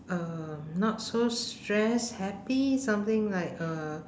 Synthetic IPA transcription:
ʌnɔt̚sostɹɛshɛpisãmt̪ɪ̃ŋlaɪkʌ

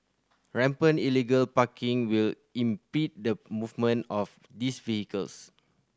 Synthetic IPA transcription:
ɹɛ̃mpə̃niliɡəlpakĩŋwil | ĩmpit̚dəmuvmə̃nɔf | disvihikəls

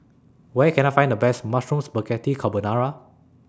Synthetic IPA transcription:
wɛkʰɛ̃najfãj̃ndəbɛsmasɹũmsbəkɛtikʰabənaɹa

